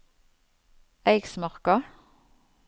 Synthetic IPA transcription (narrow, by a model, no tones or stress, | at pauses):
æɪɡsmɑʁkɑ